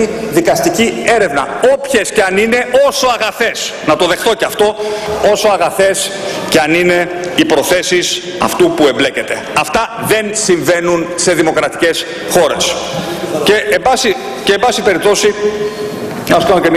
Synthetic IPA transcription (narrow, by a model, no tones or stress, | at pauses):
iðikɐst̪icie̞ɾe̞vnɐopçesceɐnine̞ʔo̞so̞ɐɣɐθe̞snɐt̪o̞ðe̞xt̪o̞cɐft̪o̞o̞so̞ɐɣɐθe̞s | ceɐnine̞ipɾo̞θe̞sis | ɐft̪upue̞mble̞ce̞t̪e̞̰ | ɐft̪ɐðe̞nsiɱve̞nunse̞ðimo̞kɾɐt̪i̥ce̞s | xo̞ɾe̞s | ceebɐsi | ceːmbɐsipe̞ɾip̚t̪o̞si | ɐso̥kɐnocem